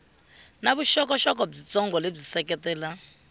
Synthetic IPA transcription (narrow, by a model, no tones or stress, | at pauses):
naβuʃɔkɔʃɔkɔb͡ʐit͡sɔŋɡɔleb͡ʐisɛkɛtɛːla